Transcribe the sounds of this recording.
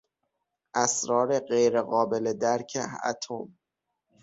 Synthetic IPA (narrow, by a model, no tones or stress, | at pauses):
ʔæsɾɒːɾeɢejɾeɣɒːbeled̪æɾcʰḛæ̰t̪ʰom